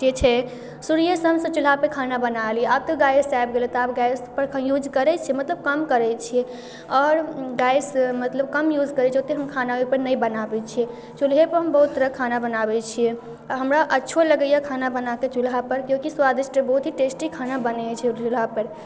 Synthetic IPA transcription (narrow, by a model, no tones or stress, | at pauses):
d͡ʒet͡ʃʰɛ | suɾijəsəmsə̃t͡ʃulɦapekʰanabənalieab̚t̪ɔɡajsajbɡelet̪ap̚ɡajspəɾʰjud͡ʒkəɾɛt͡ʃʰiemət̪ləb̚kəmkəɾɛt͡ʃʰiɛ | ɔːɾɡajsmət̪ləb̚kəmjud͡ʒkəɾɛot̪eɦəmkʰanaepəɾnəjbənabɛt͡ʃʰie | t͡ʃulɦepəɾɦəmbəɦut̪ːəɾəkʰanabənabɛt͡ʃʰijɛ | ɦəmɾaʔətːʃʰoləɡəjakʰanabənaket͡ʃulɦapəɾkjõkiswad̪isʈəbəɦut̪ɦiʈesʈikʰanabənɛt͡ʃʰɛt͡ʃulɦapəɾ